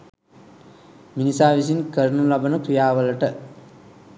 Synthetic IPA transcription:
minisaːʋis̬inkəɾnulabənəkɾijaːʋələʈə

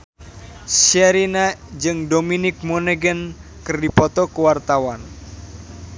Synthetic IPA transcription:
saɾinad͡ʒɨŋdominɪk̚monɛɡən | kɨrdipɔt̪ɔkuwart̪awan

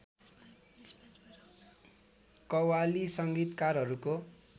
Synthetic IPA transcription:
kʌwalisʌŋɡit̪karɦʌɾuko

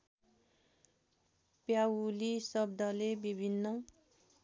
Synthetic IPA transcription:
pjawlisʌb̚d̪ʌlebibʱinːʌ

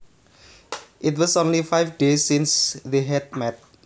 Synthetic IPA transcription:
ʔit̬wɔsõnlifajfdesːĩnsdeɦɛd̚mɛt̚

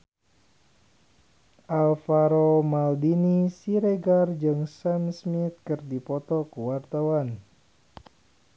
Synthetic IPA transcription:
ʔalfaɾomaldinisiɾeɡard͡ʒɨŋsamsmit̪̚kɨrdipɔt̪ɔkəwart̪awan

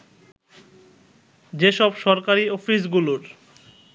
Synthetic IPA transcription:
d͡ʑeʃɔbʃɔɾkaɾiofis̬ɡuloɾ

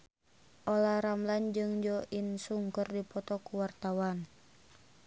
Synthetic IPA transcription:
ʔolaɾamland͡ʒɨŋd͡ʒɔʔinsuŋkərdipɔt̪ɔkuwart̪awan

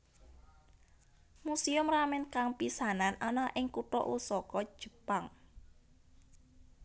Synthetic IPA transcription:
musiʊmramɛnkaŋpisananʔanaʔɪŋkuʈɔ̰ʔṵsɔkɔd̥ʒ̥ə̤paŋ

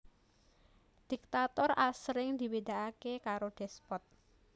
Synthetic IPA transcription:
d̪̥i̤k̚t̪at̪ɔrʔasɾɪŋd̪ibed̪a̤ʔakekaɾoɖ̥ɛspɔt̪̚

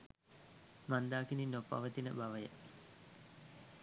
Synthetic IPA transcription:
mand̪aːkininːopːa̰ʋət̪inəbaʋəjə

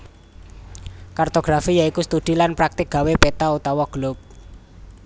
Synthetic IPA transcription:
kart̪oɡ̥ɾafijaikust̪ud̪̥i̤lanpɾak̚t̪ɪk̚ɡ̥a̤wepet̪aut̪awɔɡ̥lʊp̚

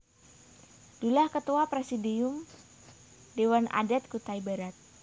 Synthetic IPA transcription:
d̥ulahkət̪uapɾɛsidium | dewana̰dɛt̪̚kut̪aibaɾat̪̚

